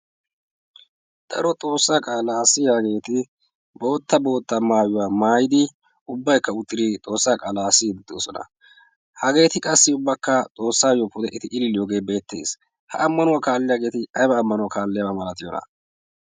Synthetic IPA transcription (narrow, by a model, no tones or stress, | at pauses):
d̪̥ɐ̰ɾɔt̪ʼo̞ːsːaːkʼaːlaːsɪjaɡe̞ːt̪ɪ | bo̞ːt̪ːɐbo̞ːt̪ːɐmaːjʊwaːmaːjɪd̪ɪ | ʊbːɐjkːɐʊt̪ʼːɪɾit̪ʼo̞ːsːaːkʼaːlaːsːɪd̪ɛt̪ːɪosɔnɐ̰ | hɐɡe̞ːt̪ɪkʼɐsːɪʊbːɐkːɐt̪ʼo̞ːsːaːjopʊd̪ɛʔɪt̪ɪʔɪlɪlɪjoːɡe̞ːbe̞ːt̪ːe̞̰ːs | hɐ̰ʔɐmːɐnʊwakaːlːɪjaɡe̞ːt̪ɪɐjbɐːmːɐnʊwakaːlːɪjabɐmɐlɐt̪ɪjɔnɐ̰